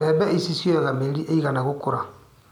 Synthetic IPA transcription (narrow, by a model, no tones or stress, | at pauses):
ɛbɛisisiɛɣameliʔeiɣanaɣʊkʊɾa